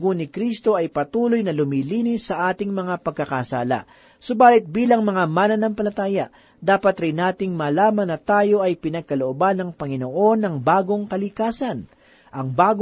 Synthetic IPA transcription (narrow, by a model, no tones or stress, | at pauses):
ɡonɪkɾist̪o̞ɐjpɐt̪uːlo̞jnɐlʊmiːliːnɪsːɐʔaːt̪ɪŋmɐŋapɐɡ̚kɐkɐsaːlɐ̰ | sʊbaːlɪt̪̚biːlɐŋmɐŋamaːnɐnɐŋpɐlɐt̪aːjɐ | d̪aːpɐt̪ɾɪnːaːt̪ɪŋmɐːlaːmɐnɐt̪aːjo̞ʔɐjpɪnɐɡ̚kɐloʔobanːɐŋpɐŋɪno̞ʔo̞nːɐŋbaːɡo̞ŋkɐlɪkaːsɐn | ʔɐŋbaːɡ